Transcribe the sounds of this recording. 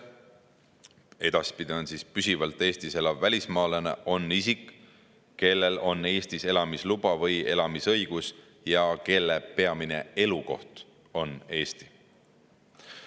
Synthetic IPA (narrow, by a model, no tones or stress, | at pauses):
e̞d̪̥ɑspid̪̥io̞nsispysivɑlt̪ːˑe̞ːst̪ise̞lɑvːælʲismɑːlenḛʔo̞nːisikˑ | ke̞lːe̞lo̞nːe̞ːst̪ise̞lɑmislub̥ɑvɤje̞lɑmisɤ̞jɡ̥us | jɑke̞lːepe̞ɑmine̞̰e̞luko̞̰ht̪ | o̞ne̞ːst̪i̥